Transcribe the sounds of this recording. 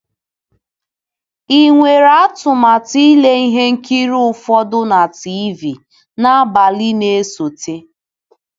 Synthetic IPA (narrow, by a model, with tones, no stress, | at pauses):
i˨ŋʷe˨ɾa˦tʊ˨ma˨ti˦le˦i˦ɦe˦ŋ̩˦ki˦ɾu˦ʊ˦fɔ˦dʊ˦na˨ti˦vi˨ | na˦a˦ba˨li˦ne˦so˨te˦